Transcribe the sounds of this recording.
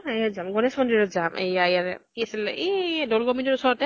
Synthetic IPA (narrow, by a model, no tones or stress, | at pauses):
ejazamɡɔnesmɔndiɹɔtzamʔḛjaejatɛtiasilɛedɔlɡɔminɔɹusɔɹɔtɛ